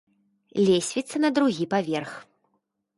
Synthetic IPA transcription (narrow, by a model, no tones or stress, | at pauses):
lʲesʲvʲit̪sːɐnɐd̪ɾuɣʲipavʲɛrx